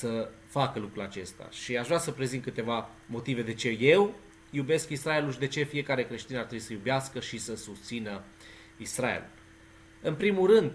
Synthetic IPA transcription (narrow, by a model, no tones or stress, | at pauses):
sə | fakəlukɾulat͡ʃe̞st̪a̰ʃiaʃɾasəpɾe̞zint̪kɨt̪e̞va | mo̞t̪ive̞d̪e̞t͡ʃe̞je̞w | jube̞skisɾae̞luʃd̪et͡ʃe̞fije̞kaɾe̞kɾe̞ʃt̪inart̪ɾebui̥səjubeaskəʃisəsust̪sinə | isɾaḛlṵl | ɨnpɾimulɾɨnd̪